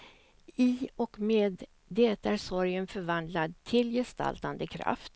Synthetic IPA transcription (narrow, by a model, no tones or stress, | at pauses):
ɪɔkmeːd̪ː | ɛt̪aæɾsɔɾjənfœɾvand̪lad̪̚t̪ʰɪljɛst̪a̰lt̪and̪əkʰɾa̰ft̪